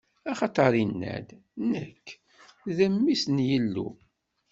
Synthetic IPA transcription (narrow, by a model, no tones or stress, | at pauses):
ɑχɑt̪ˤɑɾˤinːæ̰d̪ | nəkʰː | ðəmːisnjəlːṵ